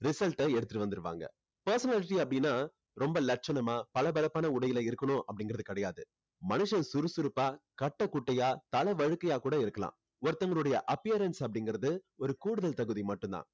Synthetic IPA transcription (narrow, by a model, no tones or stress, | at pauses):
ɾɪsɐlʈɐɛɽɯt̪ːɯʈːɯʋɐnd̪ɯɾɯʋa̰ːŋɡɐ̰ | pɐɾsɐnaːlɪʈiɐpːɐɽɪnːaː | ɾɔmbɐlɐʈ̚t͡ʃɐnɐmaːpɐlɐbɐlɐpːaːnɐʊɽɐjɪlɐɪɾɯkːɐnʊ̃ʔɐpːɐɽɪ̃ŋɡɪɾɐðɯkɐɽɐjaːðɯ | mɐnɯʂɐnsʊɾɯsʊɾɯpːaːkɐʈːɐkʊʈːɐjaːt̪ɐlɐʋɐɻɯkːɐjaːkuːɽɐɪɾɯkːɐlã̰ː | ɔɾt̪ːɐŋɡɐɭɯɽɐjɐʔɐpːɪjɐɾɐnsɐp̬ːɐɽɪŋɡɪɾɐðɯɔɾɯkuːɽɯðɐlt̪ɐɣɯðimɐʈːɯnd̪ã̰ː